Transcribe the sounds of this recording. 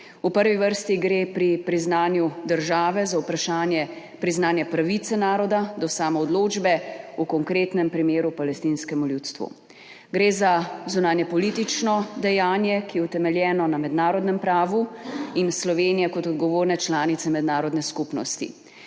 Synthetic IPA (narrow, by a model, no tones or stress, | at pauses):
upəɾʋiʋəɾst̪iɡɾeːpɾipɾiznaːnjud̪əɾʒaːʋɛzaupɾaʃaːnjɛ | pɾiznaːnjɛpɾaʋit̪sɛnaːɾɔd̪ad̪ɔsaːmɔːd̪loːd͡ʒbɛukɔŋkɾeːt̪nɛmpɾimeːɾupalɛst̪inskɛmuljuːt̪st̪ʋṵ | ɡɾeːzazunaːnjɛpɔlit̪it͡ʃnɔd̪ɛjaːnjɛkijɛut̪ɛmɛljɛːnɔnamɛd̪naːɾɔd̪nɛmpɾaːʋuinslɔʋeːnijɛkɔt̪ɔd̪ɡɔʋoːɾnɛt͡ʃlaːnit̪sɛmɛd̪naːɾɔd̪nɛskupnɔ̰st̪ḭ